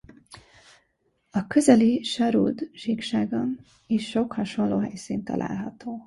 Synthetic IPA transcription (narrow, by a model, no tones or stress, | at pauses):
ɒkøzɛliʃɒɾṵːd̪ʒiːkʃaːɡɒn | iʃːo̞khɒʃo̞nloːɦɛjsiːnt̪ɒ̰lʔa̰ːlɦɒt̪oː